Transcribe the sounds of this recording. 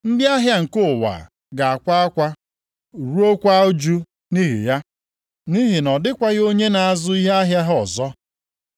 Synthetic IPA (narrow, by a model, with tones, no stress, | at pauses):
n̩˦dɪ˦a˦ɦja˦ŋ̩˨kʊ˦˨wa̰˨ | ɡa˨a˨kʷa˦a˦kʷa˦ | u˨ɾu˦o˦kʷa˦o˦d͡ʒu˦ | ni˦ɦḭ˨ja˦ | ni˦ɦi˨nɔ˨dɪ˦kʷa˦ɣo˦ɲe˦na˨a˦zʊ˦i˦ɦe˦a˦ɦja˦ɦɔ˨zɔ˦